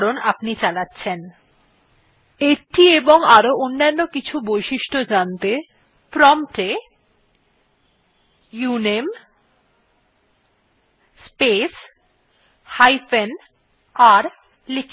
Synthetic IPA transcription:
ɾonapnit͡ɕalatːɕʰen | eɾʈieboŋaɾoʔonːanːokit͡ɕʰubojʃiʃʈod͡ʑant̪e | pɾɔmʈe | junem | spes | hajfen | aɾ | lik

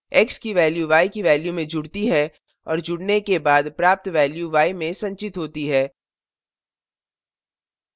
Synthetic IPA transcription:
ɛkskiʋɛːljuʋaːikiʋɛːljumẽd͡ʒʊɽt̪iɦɛ | ɔːɾd͡ʒʊɽnekebaːd̪pɾaːp̚t̪ʋɛːljuʋaːimẽsɐ̃ɲt͡ʃɪt̪ɦoːt̪iɦɛː

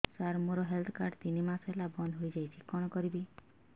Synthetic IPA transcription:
saɾmuɾɔɦelt̪ʰɔkaɾɖt̪inimasɦelabɔnd̪ɦojd͡ʒajt͡ʃʰikɔɽ̃ɔkɔɾibi

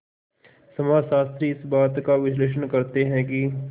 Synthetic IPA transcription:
sɐmaːd͡ʒʃaːst̪ɾiɪsbaːt̪kaʋɪsleːʃ̬ənkɐɾt̪eɦɛ̃ki

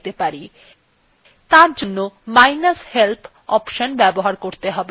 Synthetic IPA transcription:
t̪epaɾi | t̪aɾd͡ʑonːomajnashelt̪ʰ | ɔpʃənbɛboɦaɾkoɾt̪eɦɔbe

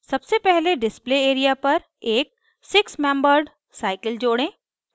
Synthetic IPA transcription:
sɐbsepɛɦleɖɪspleːeːɾijapɐɾ | eːk̚ | sɪksmɛ̃ːmbəɾɖ | saːɪkəld͡ʒoːɽẽː

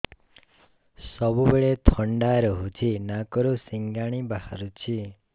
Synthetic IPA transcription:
sɔbubeɭet̪ʰɔɳɖaɾɔɦut͡ʃʰinakɔɾosiŋɡaɽ̃ibaɦa̰ɾut͡ʃʰi

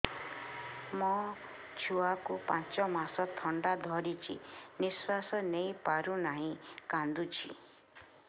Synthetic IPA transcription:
mɔ | t͡ʃʰuakupãt͡ʃɔmasɔt̪ʰɔɳɖad̪ʱɔɾit͡ʃʰḭniswasɔnej̃paɾunaɦĩkãnd̪ut͡ʃʰḭ

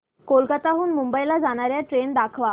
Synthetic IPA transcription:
kolkat̪aɦuːnmumbəjlad͡zaɽ̃aɾjaʈɾeɳd̪akʰʋa

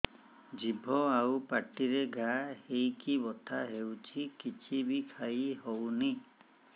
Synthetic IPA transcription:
d͡ʒibʱɔawpaʈiɾeɡʱahejkibɔt̪ʰaɦewt͡ʃʰikit͡ʃʰibikʰajɦowni

